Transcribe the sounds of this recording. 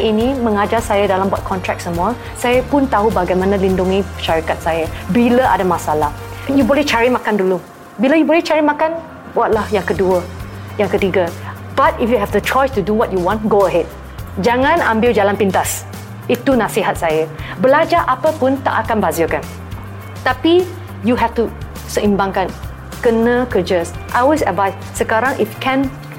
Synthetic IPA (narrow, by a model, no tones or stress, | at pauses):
ʔinimə̃ŋad͡ʒarsajadalambwat̪̚kʰɔnt̪ɹɛk̚səmua | sajəpʊnt̪aɦubaɡajmãnãlinduŋipə̥ʃaɾikat̪̚sajabiləʔa̰damasalahɛnjubolɛht͡ʃaɹimãkandulu | biləjubolɛht͡ʃaɹimakan | buat̪̚lahjaŋkəduə | jãŋkət̪iɡa | batifjuɦɛvdət͡ʃɔjstuduwɔt̚juwɔ̃nɡoəɦɛd̚ | d͡ʒaŋãnãmbɪwd͡ʒalãnpint̪as | it̪unasiɦat̚sajəbəlad͡ʒaʔapəpũnt̪a̰ʔakãnbazəkan | t̪api | juɦɛftu | səʔĩmbãŋkan | kənə̃kəd͡ʒəsʔalwesədvajs | səkaɾãŋifkɛ̃n